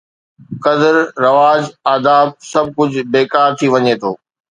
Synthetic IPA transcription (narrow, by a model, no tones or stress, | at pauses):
kɐd̪əɾɾɐʋaːd͡ʑaːd̪aːb̚sɐb̚ʱkʊd͡ʑʱbeːkaːɾt̪ʰiʋɐɲeːt̪ʰoː